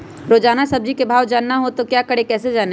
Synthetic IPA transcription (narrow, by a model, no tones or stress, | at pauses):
ɾoːd͡ʒaːnasɐb̚d͡ʒikebʱaːʋd͡ʒaːnːaɦot̪okjaːkəɽekɛːsed͡ʒaːne